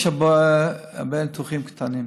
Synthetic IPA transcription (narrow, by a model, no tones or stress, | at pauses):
ʃaboa̰bent̪uχimkt̪anim